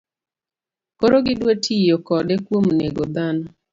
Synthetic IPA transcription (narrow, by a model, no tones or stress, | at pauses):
koɾoɡɪdwetʰijokɔdɛkwomneɡod̪anɔ